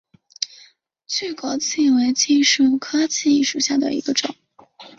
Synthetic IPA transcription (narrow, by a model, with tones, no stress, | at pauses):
t͡ɕʰy˥˩ko˨˩ʊt͡sʰi˥˩˧we˧˥ɪt͡ɕʰi˥˧ʂɻ̩˥˩kʰɤ˥t͡ɕʰi˥˧i˥˩ʂu˨˩ɕja˥˩d̪ə̰˩ḭ˧˥ɡə˧ʈ͡ʂʊ̰˨˩˦ŋ